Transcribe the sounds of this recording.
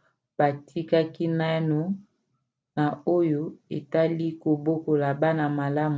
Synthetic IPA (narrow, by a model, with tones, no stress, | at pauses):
b̥a˨tʰi˦ka˦ki˦na˦no˨ | na˨o˦jo˦e˨ta˦li˦ko˨bo˦ko˨la˨ba˦na˨ma˨la˦mu˨